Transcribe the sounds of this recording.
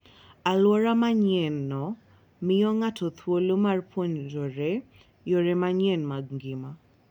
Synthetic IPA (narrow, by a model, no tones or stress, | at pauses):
alwɔɾamaɲɛnːɔ | mɪjɔŋatʰɔt̪ʰwolomarpʰwɔɲd͡ʒoɾɛ | joɾemaɲɛnmaɡŋɡɪma